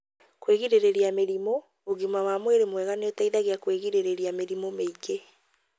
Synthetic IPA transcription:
kweɣiɾeɾeɾiameɾimo | oɣimawamweɾemwɛɣaneotaiðaɣeakweɣiɾeɾeɾiameɾimomeike

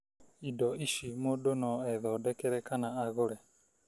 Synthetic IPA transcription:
idɔiʃimodonɔɛðɔdɛkɛɾɛkanaaɣoɾɛ

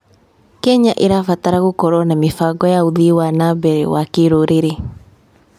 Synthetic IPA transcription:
kɛɲaʔeɾafataɾaɣukɔɾwɔnamefaɡɔjauðiwanabɛɾɛ̰wakeɾoɾeɾe

